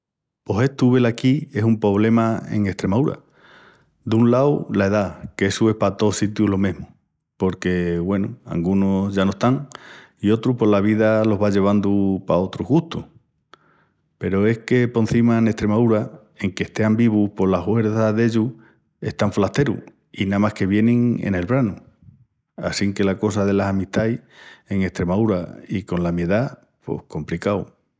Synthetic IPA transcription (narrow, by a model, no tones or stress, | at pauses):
po̞se̞t̪uβe̞lakie̞sumpo̞β̞le̞maḛŋe̞ht̪ɾe̞maðuɾa̰ | d̪uŋlawlae̞ðakeesue̞hpat̪o̞sit̪juɦlo̞mẽɦmu | po̞ɾke̞βwe̞nua̰ŋɡunoʝanoest̪aŋ | io̞t̪ɾupo̞laβ̞iðalo̞ɦβaʎe̞β̞and̪upao̞t̪ɾuɦɣuht̪uh | pe̞ɾo̞e̞hke̞po̞n̟θimaene̞ht̪ɾe̞maðuɾa | e̞ŋke̞ht̪e̞ambiβuhpo̞laɦwe̞ɾðaðe̞ʎu | e̞̰ht̪aɱflaht̪e̞ɾṵ | inamahke̞βje̞nĩŋḛne̞lβɾanu | a̰siŋke̞lako̞saðe̞lasamiht̪aje̞ŋe̞ht̪ɾe̞maðuɾaiko̞nlamje̞ða | po̞̰hko̞mplikaw